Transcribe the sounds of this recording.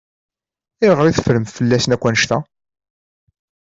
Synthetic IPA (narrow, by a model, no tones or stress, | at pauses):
ɪʁɾiθfɾəmfəlːæsənækʷːænʃt̪æ